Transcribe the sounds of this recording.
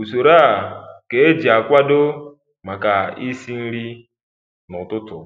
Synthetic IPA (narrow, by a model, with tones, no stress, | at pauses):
u˨so˨ɾa˦˨ke˨e˦d͡ʒi˨a˨kʷa˦do˦ | ma˨ka˨i˦si˦n̩˦ɾi˦ | nʊ˨tʊ˦tʊ˨